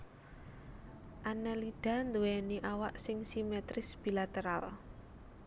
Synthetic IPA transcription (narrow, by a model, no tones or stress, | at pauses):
ʔanɛliɖ̥a̤nd̪uwɛniʔawaʔsɪŋsimɛt̪ɾɪsb̥ilat̪eɾal